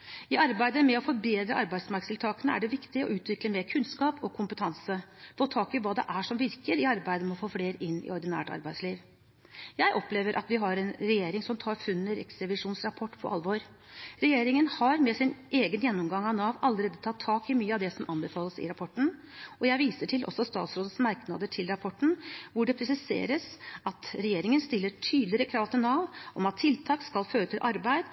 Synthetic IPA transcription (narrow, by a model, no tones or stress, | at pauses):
ɪɑɾbæɪd̪əmɛɔfɔɾbeːd̪ɾəʔɑɾbæɪd̪smɑɾksɪlt̪ʰɑːkənəæ̰ɖɛʋɪkt̪ɪɔ̰ʉːt̪ʋɪkləmeːkʰʉnskɑːpɔkʰʊmpət̪ʰɑnsəfoːt̪ʰɑːkɪʋɑːd̪ɛ̰ʔæʂɔmʋɪɾkəɾɪɑɾbæɪd̪əmɛɔfoːfleːɾɪnːɪ̰ɔɾd̪ɪnæ̰ːʈɑ̰ɾbæɪsliːʋ | jæɪʔɔpleːʋəɾʔɑ̰t̪ʋɪɦɑɾɛnɾɛjeːɾɪŋsɔmt̪ʰɑːɾfʉnːəɾɛ̰ksɾɛʋɪʂuːnsɾɑpʰɔʈːpʰɔ̰ʔɑ̰lʋoːɾ | ɾɛjeːɾɪŋənhɑɾmɛsɪnʔeːɡənjɛnːɔmɡɑŋːɑnɑːʋɑlːəɾeːd̪ət̪ʰɑt̪ʰːɑːkɪmyːəɑʋd̪ɛsɔmʔɑnbɛfɑːləsɪ̰ɾɑpʰɔʈːn̩ | ʔɔjæɪʋiːsəʈʰɪlʔɔ̰sːɔst̪ɑ̰ːt̪sɾoːd̪əsmɑɾknɑd̪əʈʰɪlɾɑpʰɔʈːn̩ʋʊɖɛpʰɾɛsɪsḛːɾəsɑt̪ɾɛjeːɾɪŋənst̪ɪlːəʈʰyːd̪lɪɾəkʰɾɑːʋt̪ʰɪnɑːʋɔmɑt̪ʰːɪlt̪ʰɑːkskɑlføːɾʉt̪ʰːɪlʔɑɾbæɪd̪